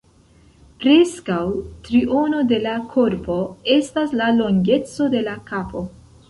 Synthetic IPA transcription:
pɾe̞skawtɾiʔo̞no̞de̞lakʰo̞ɾpo̞e̞staslalo̞ŋɡe̞t͡so̞de̞lakapo̞

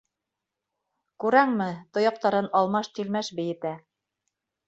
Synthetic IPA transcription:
kʉɾæŋmɘt̪ŏjɑq̚t̪ɑɾɤnɑlˠmɑʃt̪ilmæʃbɘ̆jɘ̆t̪æ

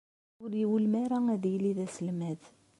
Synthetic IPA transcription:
ʊɾjiwəlmæɾaæðjəliðæsəlmæð

